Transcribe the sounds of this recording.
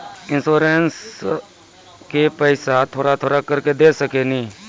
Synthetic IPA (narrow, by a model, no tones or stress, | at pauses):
ɪ̃nsoːɾens | kepɛːsat̪ʰoːɾat̪ʰoːɾakɐɾked̪eːsɐkenĩː